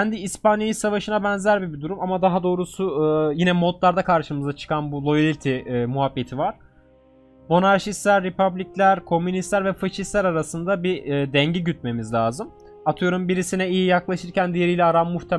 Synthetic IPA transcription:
cʰænd̪iːspanjajisavaʃɯnabɛnzæɾbibid̪uɾumamad̪aɦad̪o̞ːɾusujinɛmot̪lˠaɾd̪akʰaɾʃɯmɯzat͡ʃʰɯ̥kanbulˠo̞jalʲit̪ʰimuɦabːe̞t̪ʰivaɾ̥ | mo̞naɾʃist̪lʲæɾːepablʲiclʲæɾkʰo̞mynist̪lʲæɾvɛfaʃist̪lʲæɾaɾasɯnd̪abiːd̪ɛɲɟiɟyt̪̚me̞mizlʲaːzɯm | at̪ʰɯjo̞ɾumbiɾisinɛijijaklˠaʃɯɾcʰænd̪ije̞ɾijlʲɛaɾamːuxt̪ʰe

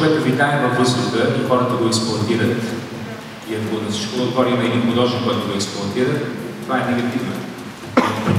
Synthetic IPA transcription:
bɛt̪əvik̪ajɛvɐvːɤzɡ̪ɾʊxəixɔɾət̪əɡoɛksplˠoɐt̪iɾət̪ | iɐkonɐsi̥t͡ʃkooɡ̪vɔɾimɛɛd̪inpod̪ɔʒɛnkɔjt̪oɡoɛksplˠʊɐt̪iɾət̪t̪ːovaɛnɛɡɐt̪ivnə̰

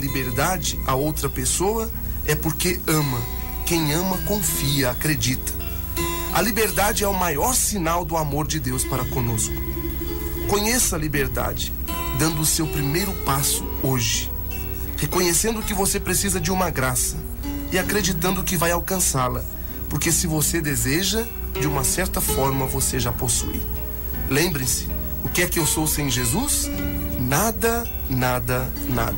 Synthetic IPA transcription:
libeɾd̪ad͡ʒɪaowt̪ɾɐpesoɐ | ɛpoɾkeɐ̃mɐ | kẽj̃ɐ̃mɐkõfiɐakɾed͡ʒit̪ɐ̥ | ɐlibeɾd̪ad͡ʒɪɛʊmajɔɾsinawd̪ʊamoɾd͡ʒɪd̪ewspaɾɐkõnoskʊ̥ | kõɲesɐlibeɾd̪a̰d͡ʒɪ | d̪ɐ̃nd̪ʊːsewpɾimejɾʊpasʊ̥ | oʒɪ | hekõɲesẽnd̪ʊkɪvosepɾesizɐd͡ʒɪũmɐɡɾasɐ | ɪakɾed͡ʒit̪ɐ̃nd̪ʊkɪvajawkɐ̃salɐ | poɾkesɪvosed̪ezeʒɐ | d͡ʒɪũmɐsɛɾt̪ɐfɔɾmɐvoseʒaposṵḭ | lẽmbɾẽsɪ̥ | ʊkɪɛkɪewsowsẽj̃ʒezusnad̪ɐ | nad̪ɐ | na̰d̪ɐ

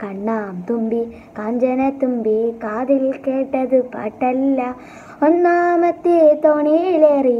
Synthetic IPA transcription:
kɐɳːaːmt̪umbi | kaːɲd͡ʒɐnɐt̪umbikaːd̪ilkeːʈːɐd̪ɯpɐ̰ʈːɐlːɐ | ɔnːaːmɐt̪ːit̪oːnileːɾi

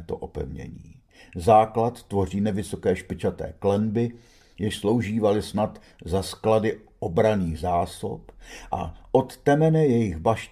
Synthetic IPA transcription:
t̪o̞̰ʔopɛ̰vɲɛ̰ɲḭː | zaːklat̪ːvo̞r̝iːnɛvɪso̞kɛːʃpɪt͡ʃat̪ɛ̰ːklɛnbɪ | jɪʃslo̞wʒiːvalɪsnat̪ | zaskladɪ | ʔobɾaniːɣzaːso̞̰pʔa̰ʔo̞t̪ːɛmɛnɛjɛjɪɣbaʃ

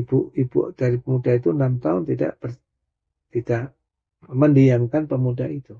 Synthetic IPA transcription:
buʔibṵʔd̥aɾipəmudait̪unamt̪aʊnt̪ida̰ʔb̥ər | t̪idaʔ | məndiaŋkanpəmudait̪u

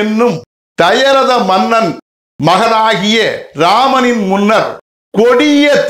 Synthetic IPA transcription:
ɪnːɯm | t̪ɐjɐɾɐðɐmɐnːɐn | mɐɣɐnaːɣɪjɐɾaːmɐnɪnmʊnːɐɾ | kɔɽɪjɐt̪

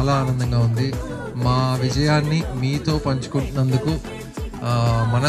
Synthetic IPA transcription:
laːaːnɐnd̪ɐŋɡaːund̪i | maːʋid͡ʒɐjaːnːimiːt̪o̞ːpɐɲt͡ʃu̥kuɳʈunɐnd̪uku | mɐnɐ

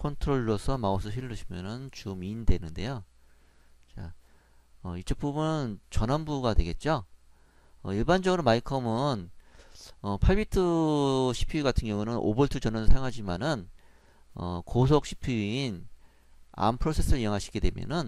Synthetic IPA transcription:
kʰʌntʰɯɾoɭːosʰʌmaosʰʌɕʰiɾɾɯɕʰimjʌnɯnt͡ɕomindwe̞nɯnde̞̰jo | t͡ɕa | ʌit͡ɕ͈ʰʌp͈umɯnt͡ɕʌnɦanbuɡadwe̞̰ɡe̞t̚t͡ɕ͈o | ʌiɭband͡ʑʌɡɯɾomaikʰʌmɯn | ʌpʰaɭbitʰɯɕʰi̥pʰiiɡatʰɯŋjʌŋunɯnʔo̰boɭtʰɯt͡ɕʌnʌnɯɭsʰajŋɦad͡ʑimanɯn | ʌ̰kosʰok̚ɕʰi̥pʰiin | a̰mpʰɯɾosʰe̞s͈ʰɯɾɯijʌŋɦaɕʰi̥ɡe̞dwe̞mjʌ̰nɯn

